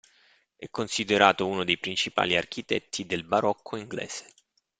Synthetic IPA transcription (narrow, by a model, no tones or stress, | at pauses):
ɛ̰kːonsid̪eɾaːt̪ounod̪ejpɾint͡ʃipa̰ːliark̟it̪ɛ̰t̪ʰːid̪elbaɾɔkʰːoiŋɡlɛ̰ːz̥e̥